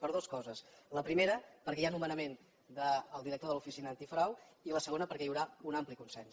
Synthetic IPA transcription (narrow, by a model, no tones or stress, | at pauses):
pəɾðoskɔzəsləpɾimeɾəpəɾkɛjanumənəmen | d̪əːlˠd̪iɾək̚t̪oðəlufisinəːnt̪ifɾawiləsəɣ̞onəpəɾkɛjiwɾaunamplikunsɛns